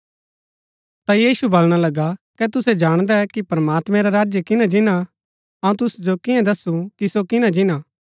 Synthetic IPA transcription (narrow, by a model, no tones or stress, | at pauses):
t̪ajiːʃubɐlɽ̃alɐɡakɛt̪ʊsɛd͡ʒaːɽ̃d̪ɛkipɾɐmaːt̪mɛ̃ɾaɾaːd͡ʒjəkɪnãd͡ʒɪnã | ɐũt̪ʊsd͡ʒokɪjãd̪ɐsũkisokɪnãd͡ʒɪna